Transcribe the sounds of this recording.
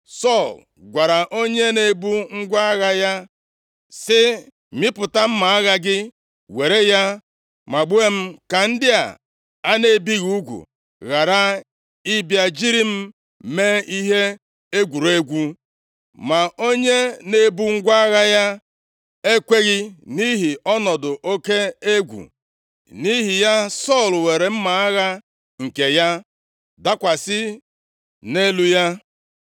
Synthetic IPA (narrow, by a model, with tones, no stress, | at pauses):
sɔ˦˨l | ɡʷa˨ɾa˨ʔo˦ɲe˦ne˨bu˦ŋ̩˦ɡʷa˦ɣa˦ja˦ | sɪ˦ | mɪ˦pʊ˨ta˦m̩˦ma˨a˦ɣa˦ɡɪ˦ | we˨ɾe˦ja˦ | ma˨ɡ͡bu˦e˦m̩˦ka˨n̩˦dɪ˦a̰˨ | a˦ne˦˨bi˦ɣu˦ɡʷṵ˨ | ɣa˨ɾa˦ | i˦bja˦d͡ʒi˦ɾi˦m̩˦ | me˦i˦ɦe˦ | e˦ɡʷu˨ɾe˦ɡʷu˦ | ma˨o˦ɲe˦ne˦bu˦ŋ̩˦ɡʷa˦ɣa˦ja˦ | e˦kʷe˦ɣɪ˦ni˦ɦi˨ɔ˦nɔ˨dʊ˨ʔo˦ke˦e˦ɡʷṵ˨ | ni˦ɦi˨ja˦sɔ˦˨lwe˨ɾe˨m̩˦ma˨a˦ɣa˦ | ŋ̩˨ke˨ja˦ | da˦kʷa˨sɪ˦ | ne˦lu˦ja˦